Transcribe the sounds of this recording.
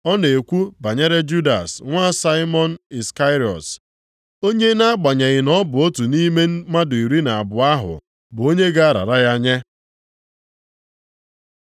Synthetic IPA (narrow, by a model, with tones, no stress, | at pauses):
ɔ˦ne˨kʷu˦ba˨ɲe˦ɾe˦d͡ʒu˦da̰˨sŋʷa˦sa˦ɪ˦mɔ˦n̩˦i˨ska˦ɾi˨ɔ̰˨t | o˦ɲe˦na˦ɡ͡ba˨ɲe˨ɣɪ˨nɔ˦bʊ˨o˦tu˨ni˦me˦n̩˦ma˦dʊ˨i˨ɾi˦na˨a˨bʊ˨a˦ɦʊ̰˨ | bʊ˨o˦ɲe˦ɡa˦a˦ɾa̰˨ɾa˦ɣa˦ɲe˦